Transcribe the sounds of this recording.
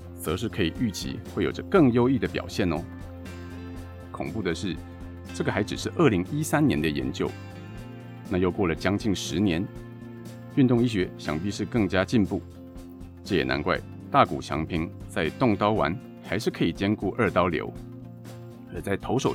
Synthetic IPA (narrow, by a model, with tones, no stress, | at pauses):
t͡sɤ˧˥ʂ̬ɻ̩˥˩kʰɤ˧˥i˨˩y˥˩t͡ɕʰḭ˧˥xwe˥˩jo˨˩ʊʈ͡ʂə˦kɤ˥˩ŋjo˥ʊi˥˩d̪ə˩pjɑ̰˨˩ʊɕjɛ˥˩nɔ˧˦ | kʰʊ˨˩ŋpu˥˩d̪ə˩ʂɻ̩˥˩ | ʈ͡ʂɤ˥˩ɡə˩xa˧˥ɪʈ͡ʂɻ̩˨˩ʂɻ̩˥˧ʔə˞˥˩li˧˥ŋi˥sa˥nnjɛ˧˥nd̪ə˧jɛ̰˧˥nt͡ɕjo˥˧ʊ | na˥˧jo˥˧ʊkwɔ˥˩lə˩t͡ɕjɑ˥ŋt͡ɕi˥˩ŋʂɻ̩˧˥njɛ˧˥n | y˥˧nt̪ʊ˥˧ŋi˥ɕɥɛ˧˥ɕjɑ˨˩ŋpi˥ʂɻ̩˥˧kɤ˥˩ŋt͡ɕja˥t͡ɕi˥˧npu˥˩ | ʈ͡ʂɤ˥˩jɛ˨˩na̰˧˥nkwa̰˥˧ɪ | t̪a˥˩kṵ˨˩t͡ɕʰjɑ̰˧˥ŋpʰi˧˥ŋt͡sa˥˧ɪt̪ʊ˥˩ŋt̪ɑ˥ʊwa̰˧˥n | xa˧˥ɪʂɻ̩˥˩kʰɤ˧˥i˨˩t͡ɕjɛ˥nku˥˧ʔə˞˥˩t̪ɑ˥ʊljo̰˧˥ʊ | ə˞˧˥t͡sa˥˩ɪt̪ʰo˧˥ʊʂo˨˩ʊ